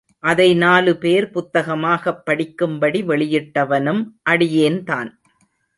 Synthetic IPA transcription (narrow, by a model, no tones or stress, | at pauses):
ʔɐðɐɪnaːlɯpeːɾpʊt̪ːɐɣɐmaːɣɐpːɐɽɪkːɯmbɐɽiʋɛɭɪjɪʈːɐʋɐnɯmʔɐɽɪjeːnt̪a̰ːn